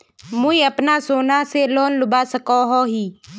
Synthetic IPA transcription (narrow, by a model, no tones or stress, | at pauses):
muiəpnasoːnaseloːnlʊbaːsəkoɦoːɦiː